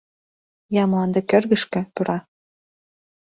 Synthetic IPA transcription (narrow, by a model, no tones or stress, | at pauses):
jɑmlˠɑnd̪ɤ̆kørɣɘ̆ʃkɘ̆puɾɑ